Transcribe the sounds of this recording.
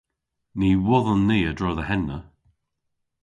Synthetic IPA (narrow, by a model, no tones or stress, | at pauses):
niːwɔðənːiːədɹɔːðəɦɛnːə